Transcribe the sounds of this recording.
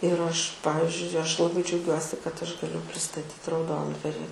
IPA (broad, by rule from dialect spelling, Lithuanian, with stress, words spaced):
ɪr ˈɐʃ ˈpɑːʋʲɪzʲd͡ʒʲʊɪ ˈɐʃ lˠɐˈbɐɪ d͡ʒʲɛʊˈɡʲuɔsʲɪ kɐt ˈɐʃ ɡɐˈlʲʊ pʲrʲɪstɐˈtʲiːt rɐʊˈdoːndʋɐrʲɪ